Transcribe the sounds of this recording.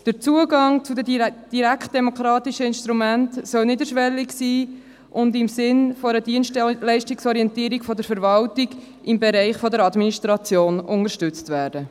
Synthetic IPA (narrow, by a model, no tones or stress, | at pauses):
d̥əɾt͡suəɡɑŋt͡sudəd̥iɾækt̚d̥ɛmɔkɾɑːtiʃəɪnʃtɾumæntsœlnidəɾʃʋɛlːɪksiː | ʔʊndɪmsɪnfɔɾədiənʃtlɛɪʃtiksɔɾiɛntiːɾikfɔdəɾfəɾvɑltiɡ | ɪmbɛɾɛɪχfɔdəɾɑdminiʃtɾɑt͡sjoːnʊŋəɾʃtʏt͡stvæːɾd̥ə